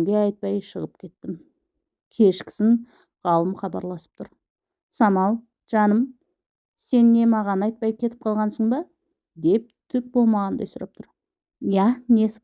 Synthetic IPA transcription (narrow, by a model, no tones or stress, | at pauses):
ŋɡʲe̞ɑjt̪̚pɑjʃəʁəp̚kʲʰe̞t̪ːɪm | kʲʰe̞ʃkʲɪ̥sɪŋ | ʁɑlˠəmχɑbɑɾlˠɑsə̥p̚t̪ʰʊɾ | sɑmɑlˠ | ʒ̥ɑnəm | se̞nːe̞mɑʁɑnɑjt̪̚pɑjkʲʰe̞t̪ɪp̚qʰɑlˠʁɑnsəɴbɑ | d̪e̞p̚t̪ʰʏk̚bo̞lˠmɑʁɑnd̪ɑ̰jsʊɾʔɑ̰p̚t̪ʰʊɾ | jæne̞s